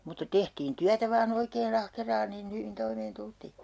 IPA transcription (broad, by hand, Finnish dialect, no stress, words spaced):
mutːɑ tehtiːn tyætæ ʋɑːn oikeːn ɑhkerɑːn niːn hyʋin toimeːn tultiː